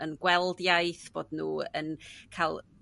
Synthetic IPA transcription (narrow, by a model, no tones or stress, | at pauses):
ənɡwɛlˠdjajθb̥oːdnuːə̰nkʰajlˠ